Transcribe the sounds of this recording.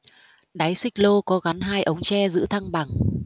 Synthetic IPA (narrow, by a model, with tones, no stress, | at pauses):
ɗa˨˦jsï˦˥k̟̚lo˧kɔ˨˦ɣa˨˦nɦaː˧jʔə˨˦wŋ͡mt͡ɕɛ˧zɨ̰˧˥t̪ʰa˧ŋɓa˨˩ŋ